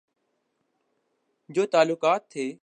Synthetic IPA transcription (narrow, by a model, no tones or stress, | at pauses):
d͡ʒoːt̪aːlʊkaːt̪ʰːeː